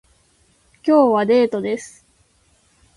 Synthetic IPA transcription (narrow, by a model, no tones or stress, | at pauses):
kʲo̞ːβad̪e̞ːt̪o̞d̪e̞sɨ̥